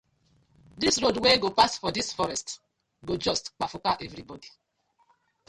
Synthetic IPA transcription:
disɾodweɡopastfɔdisfɔɾɛst | ɡod͡ʒɔstk͡pafʊkaʔɛvɾibɔdi

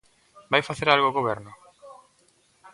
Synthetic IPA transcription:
bajfaθeɾalɣoːɣoβɛɾnʊ

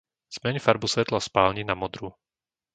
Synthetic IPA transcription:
z̥mɛɲfaɾbusʋɛt̪laspaːlɲinamɔd̪ɾu

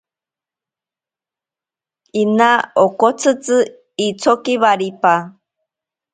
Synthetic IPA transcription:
inaokot͡sʰɨt͡sɨ | it͡sʰokiβaɾipa

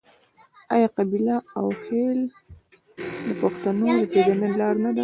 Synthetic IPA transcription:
ɑjɑqabilaawxel | d̪əpaxt̪anod̪ət̪edanelɑɾnad̪a

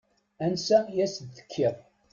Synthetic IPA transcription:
ænsæjæsd̪ːə̥kʰːiɾˤ

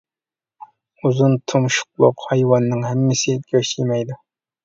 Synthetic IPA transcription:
uzunt̪ʰumʃʊ̥q̚lˠʊ̰qhɑjwɑnːɨŋhæmːɪsɪɡʲʰøʃimɛjd̪ʊ

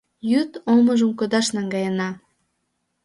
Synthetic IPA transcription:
jyt̪oməʒəmkod̪ɑʃnɑŋɡɑjənɑ

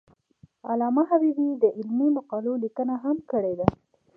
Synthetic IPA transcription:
a̰lɑmaɦabibid̪əʔɪlmimaqɑlolikənaɦamkəɽed̪a

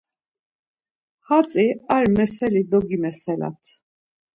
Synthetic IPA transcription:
hat͡sʼiaɾmɛsɛlid̪ɔɡimɛsɛla̰t̪ʰ

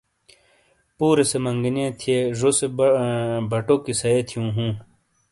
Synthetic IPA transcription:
puːɾesemɐŋɡinẽːt̪ʰieʐose | bʱɐʈoːkisɐet̪ʰijũːɦũː

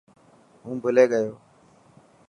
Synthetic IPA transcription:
ɦũːbʱəleːɠəjoː

